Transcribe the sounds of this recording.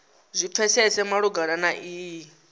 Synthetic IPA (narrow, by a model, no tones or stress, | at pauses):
zʷip̪ʰɛsɛsɛmaɺuɡaɺanaʔiː